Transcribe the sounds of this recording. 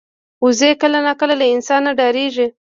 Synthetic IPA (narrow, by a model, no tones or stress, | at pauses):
uzekəlanɑkəlalaɪnsɑnːaɖɑɾeʒi